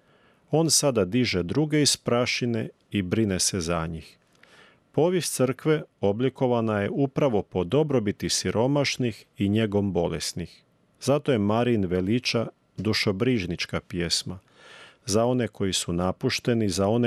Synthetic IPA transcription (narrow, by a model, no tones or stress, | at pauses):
o̞ːnsad̪ad̪iʒed̪ɾuɡe̞ispɾaʃine̞ | ibɾine̞se̞zaɲix | po̞ːʋjest̪sr̩kʋe̞o̞bliko̞ʋanaje̞upɾaʋo̞po̞d̪o̞bɾo̞bit̪isiɾʔo̞maʃnixiɲe̞ɡo̞mbo̞lḛsnix | zat̪o̞jemaɾinʋe̞lit͡ʃa | d̪uʃo̞bɾiːʒnit͡ʃkapje̞sma | zao̞ne̞ko̞jisunapuʃt̪e̞nizao̞ne